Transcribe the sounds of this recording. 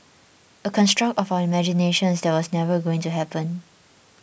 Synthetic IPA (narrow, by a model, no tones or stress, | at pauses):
ʔəkʰɔ̃nstɹ̥ak̚tɔfawəimɛd͡ʒineʃə̃nsdɛt̚wɔsnɛvəɡoɪ̃ŋtuɦɛpə̃n